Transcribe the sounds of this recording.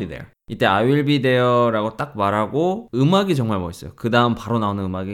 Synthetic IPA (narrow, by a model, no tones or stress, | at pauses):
idḛjo̰ | it͈e̞aɥiɭbide̞jʌɾaɡot͈ak̚maɾɦaɡoɯmaɡit͡ɕʌŋmaɭmʌis͈ʌjokɯdaɯmpaɾonaonɯnɯmaɡi